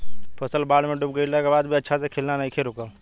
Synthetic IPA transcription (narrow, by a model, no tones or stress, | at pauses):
pʰəsəlbaːɽmẽɖʊp̚ɡəilakebaːd̪bʱiɐtːʃʰasekʰelnanaĩkʰeɾʊkə